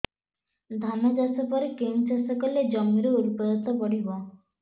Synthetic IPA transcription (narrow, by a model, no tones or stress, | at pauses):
d̪ʱanɔd͡ʒasɔpɔɾekent͡ʃasɔkɔled͡ʒɔmiɾuuɾpɔɾɔt̪ɔpɔɽibɔ